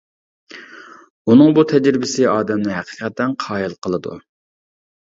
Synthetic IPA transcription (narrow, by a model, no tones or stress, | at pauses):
unɨŋbut̪ʰɛd͡ʒɾɪbɪsɪɑːd̪ɛmnɪɦæqə̥qʰɛt̪ːɛnqʰɑːjilˠqʰəlˠɨd̪ṵ